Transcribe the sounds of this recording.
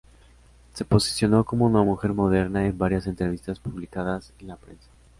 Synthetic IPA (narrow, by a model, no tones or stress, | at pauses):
se̞po̞si̥sjo̞no̞ko̞mo̞unamuxe̞ɾmo̞ð̞e̞ɾnae̞mbaɾjase̞nt̪ɾe̞β̞ist̪aspuβ̞likaðase̞nlapɾe̞̰nsḁ